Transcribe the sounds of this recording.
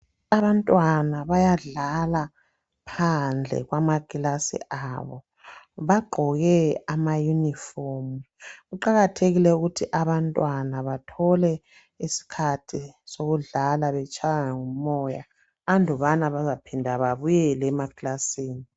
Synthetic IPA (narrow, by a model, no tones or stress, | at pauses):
aβantʼwanaβajaɮala | pʰand͡ɮʱɛ̰ɣwamaɡ̥ʱilasḭʔaβɔ | βaɡ͡ǃʱɔɣɛamajunifɔmu | ɣuǃaɣatʰeɣilɛuɣutʰiʔaβantʼwanaβatʰɔlɛ | isi̥kʰatʰisoɣuɮalaβɛt͡ʃʼʰajaŋaŋum̩mɔja̰ː | ndʱɔβanaβazapʰindʱaβaβujɛlɛːmaɡilasiːni